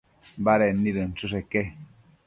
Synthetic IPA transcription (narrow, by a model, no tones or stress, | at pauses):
baɾɛniɾən̩t͡ʃus̬ɛkɛ